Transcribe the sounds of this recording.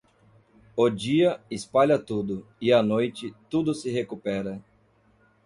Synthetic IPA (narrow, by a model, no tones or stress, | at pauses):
ʊd͡ʒiɐɪspaʎɐt̪ud̪ʊɪanojt͡ʃɪt̪ud̪ʊsɪɦekupɛɾɐ